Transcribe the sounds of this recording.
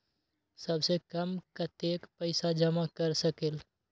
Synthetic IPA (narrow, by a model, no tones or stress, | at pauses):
səbsekəmkət̪ekpəɪsad͡ʒəmakəɾsəkel